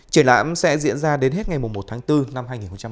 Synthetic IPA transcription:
t͡ɕi˧˩ənla̰ː˧˨msɛ̰˧˥zḭ˧˥ənzaː˧ɗe˨˦nɦe˦˥t̚ŋa˨˩jm˨˩ŋ͡mmo˨˩t̚t̪ʰaː˨˦ŋt̪ɨ˧na˧mhaː˧jŋi˨˩nxo˧ŋ͡mt͡ɕa˧

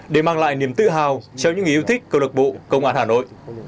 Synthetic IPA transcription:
ɗe˧˩maː˧ŋla̰ː˧˨jni˧˩əmt̪ɨ̰˧˨ɦaː˨˩wt͡ɕɛ˧wɲɨ̰˧˥ŋː˨˩˨ʔwt̪ʰï˦˥k̟̚kːə˧wlə˨˩k̚ɓo̰˧˨kə̰˧wŋ͡mʔaː˧nhaː˨˩no̰˧˨jʔ

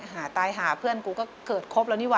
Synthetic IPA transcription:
ɦaː˨˩˦t̪aː˧jɦaː˩˦pʰɯ˥˩ənkuː˧kɔː˥˩kɤː˨˩t̪̚kʰo˦˥p̚lɛ˧˥wniː˦˥˩wa˧

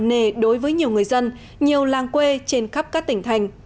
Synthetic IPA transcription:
ne˧˩ɗo˨˦jvəː˨˦jɲi˨˩əwŋɨ˨˩əjzə˧n | ɲi˨˩əwlaː˨˩ŋkwe˧t͡ɕe˧nxə˦˥p̚kaː˦˥k̚t̪ï˧˩ŋ̟t̪ʰa˧˩jŋ̟

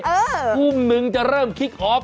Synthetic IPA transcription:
uː˧˩mnɯ˨˩ŋt͡ɕa˨˧˩ɾɤː˥˩mkʰi˦˥k̚ʔɔː˦˥

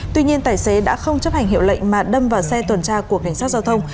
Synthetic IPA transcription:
t̪wi˧ɲi˧ənt̪aː˨˩jse˨˦ɗa̰ː˧˥xə˧wŋ͡mt͡ɕə˦˥p̚ha˨˩ŋ̟ɦḭ˧˨əwlə̰˧˨jŋ̟maː˨˩ɗə˧mvaː˨˩wsɛ˧t̪wə˨˩nt͡ɕaː˧ku˧˩əkːa˧˩jŋ̟saː˦˥t̚zaː˧wt̪ʰə˧wŋ͡m

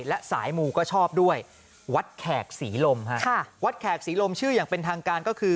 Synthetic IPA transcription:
lɛ˦˥ʔsa̰ː˩˦jmuː˧kɔː˥˩t͡ɕʰɔː˥˩p̚du˥˩əj | wa˦˥t̪̚kʰɛː˨˩k̚siː˩˦lo˧mkʰa˦˥ʔkʰa˥˩wa˦˥t̪̚kʰɛː˨˩k̚siː˩˦lo˧mt͡ɕʰɯː˥˩jaː˨˩ŋpe˧nt̪ʰaː˧ŋkaː˧nkɔː˥˩kʰɯː˧

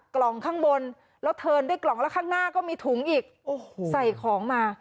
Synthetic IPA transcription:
klɔ˨˩ŋkʰaː˥˩ŋbo˧n | lɛ˦˥wt̪ʰɤː˧ndu˥˩˨jklɔ˨˩ŋlɛ˦˥kʰaː˥˩ŋnaː˥˩kɔː˥˩miː˧t̪ʰu˩˦ŋʔiː˨˩k̚oː˨˩hsa˨˩jkʰɔː˩˦ŋmaː˧

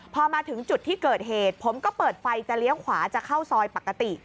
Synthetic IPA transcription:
pʰɔː˧maː˧t̪ʰɯ˩˦ŋt͡ɕu˨˩t̪ʰːiː˥˩kɤː˨˩t̪̚ɦeː˨˩t̪̚pʰo˩˦mkɔː˥˩pɤː˨˩t̪̚fa˧jt͡ɕa˨˩li˦˥əwkʰwaː˩˦t͡ɕa˨˩kʰa˥˩wsɔː˧jpa˨˩kːa˧t̪i˨˩

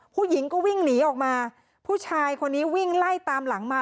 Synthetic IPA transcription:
pʰuː˥˩ji˩˦ŋkɔː˥˩wi˥˩ŋniː˩˦ʔɔː˨˩k̚maː˧ | pʰuː˥˩t͡ɕʰaː˧jkʰo˧nːiː˦˥wi˥˩ŋla˥˩jt̪aː˧mla˩˦ŋma˧˩

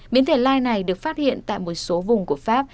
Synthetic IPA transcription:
ɓi˨˦ənt̪ʰe˧˩laː˧jna˨˩jɗɨ˨˩ək̚faː˦˥t̚hḭ˧˨ənt̪a̰ː˧˨jmo˨˩t̚so˨˦vʊ˨˩ŋ͡mku˧˩əfaː˦˥p̚

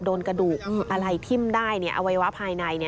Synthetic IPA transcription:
doː˧nka˧duː˨˩k̚ʔa˧ɾa˧jt̪ʰi˥˩mdaː˥˩jni˦˥˩ɐʔa̰˧wa˦jwa˦˥pʰaː˧jna˧jni˥˩˨

